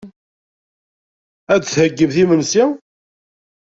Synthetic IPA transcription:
æd̪θhəɡːəvθimənsi

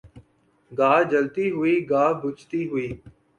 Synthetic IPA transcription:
ɡaːd͡ʒəlt̪iːɦʊiːɡaːbʱʊt͡ʃt̪iːɦʊiː

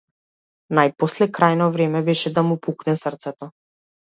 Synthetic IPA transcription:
najpɔslɛkɾajnɔvɾɛmɛbɛʃɛd̪amupuknɛsərt̪sɛt̪ɔ

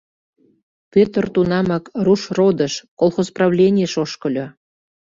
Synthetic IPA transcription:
pʲøt̪ərt̪unɑmɑkruʃrod̪əʃkolˠxozprɑvlʲenʲieʃoʃkə̆lʲo

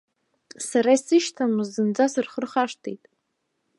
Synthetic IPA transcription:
saɾaisɨʃtʰanuzɨnd͡zasɨrχərχaʂtʰejtʼ

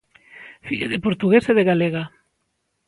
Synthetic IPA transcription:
fiʎḛðepoɾt̪uɣeseðeɣaleɣa

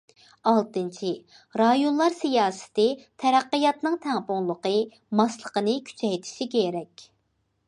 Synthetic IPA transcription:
ɑlˠt̪ɨnt͡ʃʰi | ɾɑjonlˠɑɾsijɑːsɪ̥t̪ɪt̪ʰæɾæqːəjɑt̪nɨŋt̪ʰæŋpoŋlˠəqə | mɑslˠəqənɨkʲʰy̥t͡ʃʰɛjt̪ʰɪ̥ʃikʲeɾɛkʲ

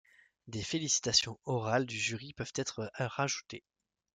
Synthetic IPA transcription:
d̪efelisi̥t̪asjɔ̃ɔʁald̪yʒyʁipœv̥t̪ɛt̪χʁaʒut̪e

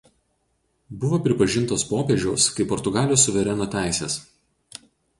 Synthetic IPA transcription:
bʊʋoːpʲɾʲɪpɐʒʲɪnˑt̪oːspoːpʲeːʒʲɛʊskɐɪpːɔɾt̪ʊɡɑːlʲjoːsːʊʋʲɛɾʲɛnoːt̪ʲæˑɪsʲḛːs

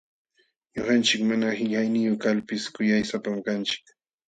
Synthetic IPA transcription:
ɲoɢɑnt͡ʃɪkmanahɪʎajnɪjoχkalpɪskʊjajsapamkant͡ʃɪ̥k

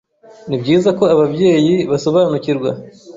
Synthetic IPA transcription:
nibɟiːzako̞aβabɟe̞ːjiβaso̞βaːnuciɾɡwa

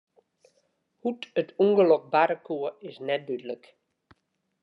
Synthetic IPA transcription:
hutətʰuŋɡəlɔk̚baɾəkʰuəɪsnɛt̚dydələk

